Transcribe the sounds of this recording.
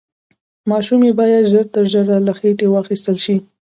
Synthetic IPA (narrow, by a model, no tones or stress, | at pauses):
mɑʃumebɑjad̪ʒəɾt̪əɾʒəɾalaxeʈewɑxist̪əlʃi